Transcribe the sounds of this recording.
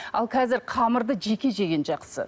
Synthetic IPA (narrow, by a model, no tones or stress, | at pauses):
ɑ̰lˠqʲʰɑzɪɾqʰɑməɾd̪əʒe̞kʲe̞ʒe̞ɡʲe̞nʒɑqsə̰